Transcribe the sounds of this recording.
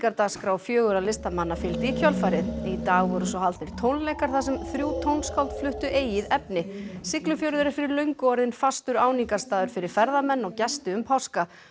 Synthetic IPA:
kaɾt̪aːɣskɾaːwfjœːɣʏɾalɪst̪amanːafɪlt̪icʰœlfajɾɪðit̪aːɣvɔɾʏs̬ɔhalt̪nɪɾ̥t̪ʰownleːjkaɾ̥θas̬ɛmθɾjuːwt̪ʰownskawlt̪flʏht̪ʏʔeːjɪðɛpnɪsɪklʏfjɔwɾʏðʏɾɪɾfɪɾɪɾlœɥŋkɔɾðɪnfast̪ʏɾaːwniŋkaɾ̥st̪aːðʏɾ̥fɪɾɪɾ̥fɛɾðamɛnːɔɣcɛst̪ʏʏmpʰawska

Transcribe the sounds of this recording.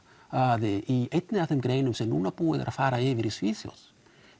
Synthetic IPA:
aðeʔiet̪neaθemɡɾejnemsenunapueð̰ɾʔafaɾaeβiɾisfisjo̰s

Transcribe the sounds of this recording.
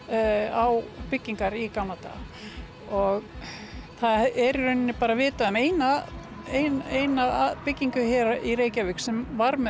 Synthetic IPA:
awpɪcːiŋkaɾikanat̪a̰ | ɔɣ | θaðɛɾɾʏɥnnːɪpaːɾavɪːt̪aðœmeːjna | ejnejnaðaðpɪcːiŋkʏçɛɾaʔiɾeːjcavɪksɛmvaɾmɛ

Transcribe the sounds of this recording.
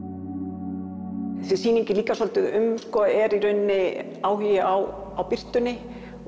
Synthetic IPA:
θɛsɪsiːniɲcɪliːkasɔlt̪ʏðʏmskɔɛɾiɾœɥnːɪ | aːwɦiːjaaw | awpɪr̥t̪ʏnːɪ

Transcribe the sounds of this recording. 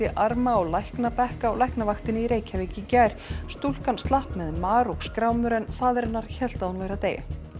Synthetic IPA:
ɪʔaɾmaɔɣlajhknapɛhkaɔwlajhknavaxt̪ɪnɪiɾeːjcʰavɪːcɪcaːjɾ̥st̪ul̥kanst̪lahpmɛðmaːɾɔkskɾaːwmʏɾɛnfaːðɾɛnːaɾ̥çɛl̥t̪aðunveːjɾaðt̪eːja̰

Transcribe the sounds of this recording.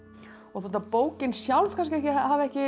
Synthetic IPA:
ɔɣθoːt̪apoːwcɪnsjawlv̥kʰans̬cɪɛhcɪahaːvɛhcɪ

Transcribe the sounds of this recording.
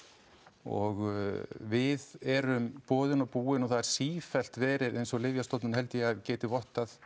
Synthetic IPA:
ɔ̰ɣvɪðɛɾʏmpɔːðʏnawpuːɪnɔɣθaðɛɾ̥siːfɛl̥t̪vɛːɾɪɾejnsɔɣlɪvjast̪owt̪nʏnhɛlt̪ɪjɛaðcɛːt̪ɪvɔht̪aθ

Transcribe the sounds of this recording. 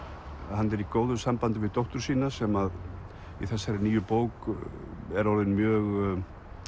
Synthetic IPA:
hanːɛɾikoːwðʏsampant̪ɪvɪðt̪ɔwht̪ʏɾ̥siːnasɛmað | iθɛsːajɾɪniːjʏpoːwk | ɛɾɔɾðɪnmjœːɣ

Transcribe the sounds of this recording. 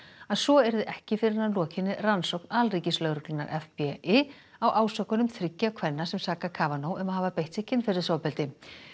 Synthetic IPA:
aðsɔɛɾðɪʔɛhcɪfɪɾɪɾnanlɔːcʰɪnːɪransowk̚nalriːcɪslœɣɾʏklɪna̰ɾʔɛfpɛɪ | awʔaːwsœkʏnʏmθɾɪcːakʰvɛnːasɛmsaːkakʰaːvanowʔʏmaðhɦaːvapejht̪sɪhcːɪnfɪɾɪ̥saːwpɛlt̪ɪ

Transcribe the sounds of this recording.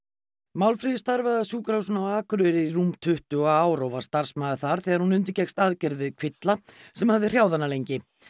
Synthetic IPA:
mawlfɾiðɪst̪aɾvaðasuːkɾawsʏnawaːkʏɾʏɾɪiɾumt̪ʰʏht̪ʏɔɣaːwɾɔwvaɾ̥st̪aɾ̥smaːðɪθaɾ̥θɛːɣaɾhunʏnt̪̬ʏcɛkst̪aːðcɛɾðvɪðkʰvɪt̪lasɛmhavðɪr̥jaːwðanːalejɲcɪ

